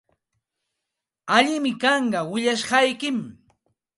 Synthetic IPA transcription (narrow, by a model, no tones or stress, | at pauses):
aʎɪmɪkɑɴɢɑwɪʎaʃɢɑjkɪm